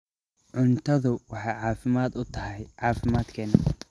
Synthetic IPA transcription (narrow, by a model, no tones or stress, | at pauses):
ʕʊnt̪ʰɐðʊwɑħɑjʕɑːfɪmaːd̪ʊt̪ʰɐɦɛjʕɑːfɪmaːd̪kʰɛːnɐ